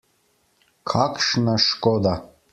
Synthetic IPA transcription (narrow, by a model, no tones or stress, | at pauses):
kʰakʃnaʃkɔd̪a